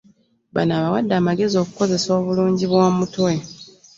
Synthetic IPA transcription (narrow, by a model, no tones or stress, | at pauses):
ba̰naːβawadːaːmaɡe̞zio̞ːku̥ko̞ze̞so̞ːβuluːɲɟiβwaːmutwe̞